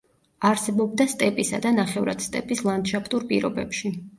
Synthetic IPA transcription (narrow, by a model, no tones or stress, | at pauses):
aɾsɛbɔb̚d̪ast̪ʼɛpʼisa̰d̪anaχɛvɾad̪̥st̪ʼɛpʼislˠand̪ʃapʰt̪ʼuɾpʼḭɾɔbɛpʃi